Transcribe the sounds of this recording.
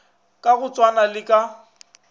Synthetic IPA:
kʼaɣʊt͡sʼwanalɪkʼa

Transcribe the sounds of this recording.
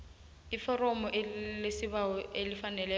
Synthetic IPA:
ifɔrɔmɔʔelesɪβaɔelifanɛlɛ

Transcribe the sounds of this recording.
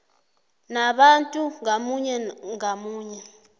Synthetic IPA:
naɓantʼuŋamuɲɛŋamuːɲɛ

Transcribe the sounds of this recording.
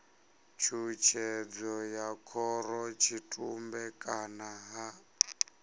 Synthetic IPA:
t͡ʃʰut͡ʃʰɛd͡zɔjakʰɔɾɔt͡ʃʰitʼumbɛkʼanaɦa

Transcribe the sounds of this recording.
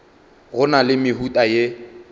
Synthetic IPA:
ɣʊnalɪmɪɦutʼaje

